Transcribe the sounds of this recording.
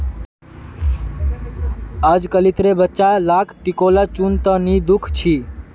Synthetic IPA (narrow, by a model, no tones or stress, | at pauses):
ad͡ʒkəlit̪ɾebətːʃalaːkʰʈikolat͡ʃunt̪ə̃nid̪ukʰt͡ʃʰi